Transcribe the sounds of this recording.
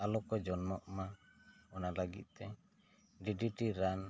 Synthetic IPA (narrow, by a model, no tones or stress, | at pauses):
alɔkɔd͡ʒɔnmɔʔma | ɔnalaɡḭt̪̚ˀt̪ɛ | ɖiɖiʈiɾan